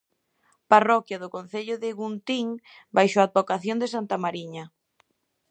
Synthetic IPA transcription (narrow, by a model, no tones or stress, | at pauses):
parɔkjɐðʊkonθeʎʊðɪɣunt̪iŋ | bajʃoad̪̚bokaθjond̪esant̪amaɾiɲɐ